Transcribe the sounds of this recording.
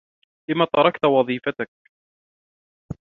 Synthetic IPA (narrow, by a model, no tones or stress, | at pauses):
lɪmat̪ɑɾˤɑkt̪wɑðˤiːfat̪ak̚